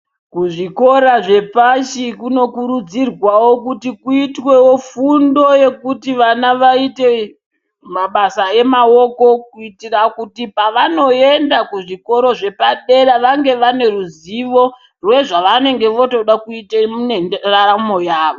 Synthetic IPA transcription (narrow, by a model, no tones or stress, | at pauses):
kuʐiko̞ɾaʐe̞paʃikuno̞kuɾud͡zirwawo̞kutikuitwe̞wo̞fundo̞je̞kutiʋanaʋaite̞ | maɓasae̞mao̞ko̞kuitirakutipaʋano̞e̞ndakuʐiko̞ɾo̞ʐe̞paɗe̞ɾaʋaŋɡe̞ʋane̞ruziʋo̞ | rwe̞ʐaʋane̞ŋɡe̞ʋo̞to̞ɗakuitaunenraamo̞jaːʋo